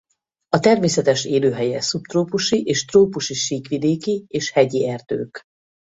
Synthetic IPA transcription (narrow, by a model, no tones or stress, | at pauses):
ɒt̪ɛrmeːsɛt̪ɛʃeːløːɦɛjɛsupt̪roːpuʃiʔeːʃt̪roːpuʃiʃiːkʋid̪eːkieːʃhɛɟiɛrd̪̥ø̰ːk